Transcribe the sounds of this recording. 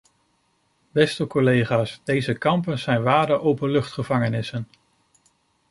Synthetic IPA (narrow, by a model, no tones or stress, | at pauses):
bɛstəkɔlejχaːsdejzəkɑmpənzɛjnʋaːdəʔowpəlɵχtχəvɑŋənɪsən